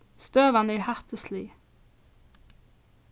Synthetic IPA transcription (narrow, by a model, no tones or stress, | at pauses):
st̪øːʋɑnæːɹhæt̪əsliː